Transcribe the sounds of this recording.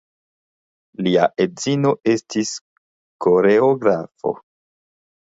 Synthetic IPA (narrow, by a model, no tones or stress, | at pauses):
liaʔedzino̞ʔe̞stis | ko̞ɾeoɡɾafo̞̰